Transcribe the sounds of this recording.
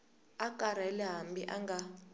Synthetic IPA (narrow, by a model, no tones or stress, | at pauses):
akʼaɾ̤aɛlɛɦambiʔaŋɡa